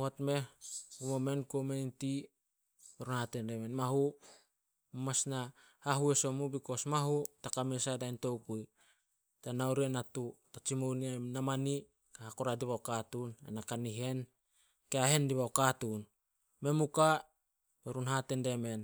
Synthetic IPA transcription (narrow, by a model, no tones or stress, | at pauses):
hotme̞umome̞nkomeinti | beɾunhatende̞me̞nmaɦu | mamasna | haɦueso̞mubiko̞smaɦutakamesadajnto̞wkuj | tanawɾienatutat͡ʃimowniamnamani | kahakoɾadiβaokatunḛnakaniɦe̞n | keaɦe̞ndiβaokatun | me̞muka | beɾunɦate̞nde̞me̞n